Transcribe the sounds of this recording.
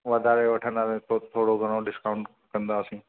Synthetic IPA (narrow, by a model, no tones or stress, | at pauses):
ʋɐd̪ʱaːɾeʋɐʈʰənaɾet̪ʰot̪ʰoːɽoɡʱəɽ̃oɖɪskaʊɳʈ | kɐ̃nd̪aːsĩː